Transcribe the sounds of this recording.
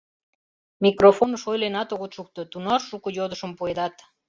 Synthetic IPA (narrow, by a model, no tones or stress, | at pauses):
mikrofonəʃojlenɑt̪oɣot̪ʃuk̚t̪ot̪unɑːukəjod̪əʃəmpued̪ɑt̪